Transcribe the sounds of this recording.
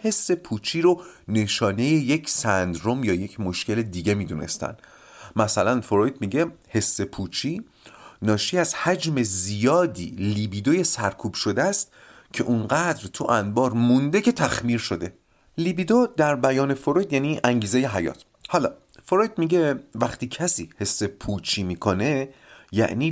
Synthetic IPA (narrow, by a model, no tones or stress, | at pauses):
he̞sːe̞pʰuːt͡ʃʰiɾone̞ʃɒːne̞jejecʰsænd̪ɾo̞mjɒːje̞cʰmoʃce̞le̞d̪iːɟe̞miːd̪une̞̰st̪æ̰nd̪ | mæsælænfoɾojd̪miːɟe̞he̞sːe̞pʰuːt͡ʃʰiː | nɒːʃiːæzhæd͡ʒme̞zijɒːd̪ḭːliːbid̪oje̞sæɾkʰuːb̥ʃo̞d̪eæst̪ | cʰe̞̰ʔunɢæd̪ɾt̪ʰuʔænbɒːɾmund̪ecʰe̞t̪ʰæxmiːɾʃo̞d̪e̞ | libid̪od̪æɾbæjɒːne̞foɾo̞jd̪jæniːʔæŋɟiːze̞jeɦæjɒ̰ːt̪ʰ | hɒlɒː | foɾojd̪miːɟevæχt̪iːcʰæsiːhe̞sːe̞pʰuːt͡ʃʰiːmiːkʰo̞ne̞ | jæ̰ʔniː